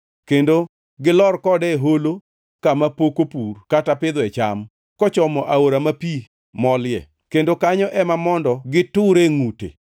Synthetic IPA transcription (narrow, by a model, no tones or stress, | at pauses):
kendo | ɡɪlɔrkɔdɛɦolo | kamapokopurkatapɪd̪wɛt͡ʃa̰m | kɔt͡ʃɔmɔʔaoɾamapi | mɔljɛ̰ | kendokaɲɔʔɛmamɔndɔɡɪtʊɾeŋutḛ